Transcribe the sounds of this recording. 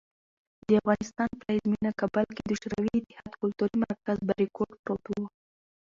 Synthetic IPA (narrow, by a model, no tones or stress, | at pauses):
d̪əafɣɑnɪst̪ɑnplaizminakabalked̪əʃɾawiːt̪ɪ̥hɑd̪kʊlt̪uɾimaɾkazbaɾikoɖpɾot̪uwo